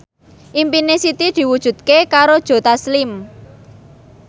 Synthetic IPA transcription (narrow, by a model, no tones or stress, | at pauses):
ʔimpinesit̪id̪̥i̤wud̥ʒ̥ṳd̪̥̚kekaɾod̥ʒ̥o̤t̪aslɪm